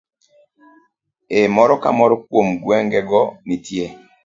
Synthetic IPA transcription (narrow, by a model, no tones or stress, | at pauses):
emɔɾɔka̰mɔɾɔkwomɡwɛŋɡɛɡɔnitje